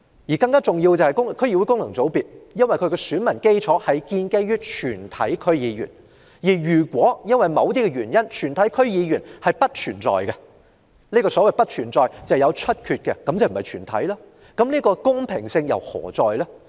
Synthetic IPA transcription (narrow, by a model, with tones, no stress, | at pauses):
jiː˨˩kɐ˧ŋkaː˥t͡sʊ˨˩ŋji˧wt͡sɐ˨˧whɐ˨jkʊ˥ŋ˨kʰɵ˥ɥjiː˧wu˨˥jkʊ˥ŋnlɐ˨˩ŋt͡so˨˥wpiː˨t̚jɐ˥nwɐ˨˩jkʰɵ˨˧ɥkɛ˧syː˨˥nmɐ˨˩nke˥jt͡ʃʰɔː˨˥hɐ˨jkiː˧nke˥jɥyː˥t͡ʃʰyː˨˩nt̪ʰɐ̰˨˥jkʰɵ˥ɥjiː˨˧ɥy̰˨˩n | jiː˨˩jyː˨˩kwʷɔː˨˥jɐ˥nwɐ˨jmɐ˨˧wt̪̬iː˥kɛ˧jɥyː˨˩njɐ˥nt͡ʃʰyː˨˩nt̪ʰɐ˨˥jkʰɵ˥ɥjiː˨˧jyː˨˩nhɐ˨jpɐ˥t̚t͡ʃʰyː˨˩nt͡sɔ̰ː˨jkɛ˧ | niː˥kɔː˧sɔː˨˥wɐ˨jpɐ˥t̚t͡ʃʰyː˨˩nt͡sɔː˨jt͡sɐ˨wjɐ˨˧wt͡ʃʰɵ˥t̚kʰyː˨˧t̚kɛ˧kɐ˨˥mt͡sɐ˨wm̩˨˩hɐ˨˩jt͡ʃʰyː˨˩nt̪ʰɐ̰˨˥jlaː˥ | kɐ˨˥mniː˥kɔː˧kʊ˥ŋpʰɪ˨˩ŋsɪ˧ŋjɐ̰˨˩whɔ̰ː˨˩t͡sɔː˨jlaː˥